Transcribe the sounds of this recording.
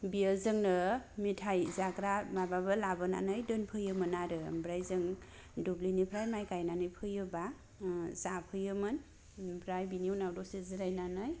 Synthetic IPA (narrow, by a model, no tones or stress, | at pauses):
bijəzɯŋnɯmitʰajzakɾamababɯlabɯna̰nɯjdɯnpʰɯjɯmɯnaɾɯmbɾajzɯŋ | dublinipʰɾajmajkajnanɯjpʰɯjɯba | zapʰɯjɯmɯn | bʰɾajbinijuwnawdɔsezɯɾajnanɯj